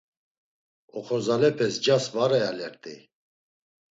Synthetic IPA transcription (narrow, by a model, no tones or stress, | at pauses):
ɔχɔzalɛpʰɛsd͡ʒasvaɾɛjalɛɾt̪ʼḭ